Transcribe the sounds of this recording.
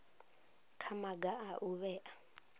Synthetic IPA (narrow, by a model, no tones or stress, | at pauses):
kʰamaɡaʔaʔuβɛʔa